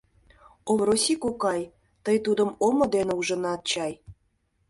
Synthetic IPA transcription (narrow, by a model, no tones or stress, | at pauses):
omrosikokɑj | t̪əjt̪ud̪ə̆momŏd̪eneuʒə̆nɑt̪̚t͡ɕɑj